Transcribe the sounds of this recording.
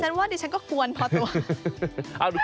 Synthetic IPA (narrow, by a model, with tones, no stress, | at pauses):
t͡ɕʰa˦˥nwaː˥˩di˧˩t͡ɕʰkɔː˥˩ku˧ənpʰɔ˧t̪u˧ɐ | ʔa˧˩du˧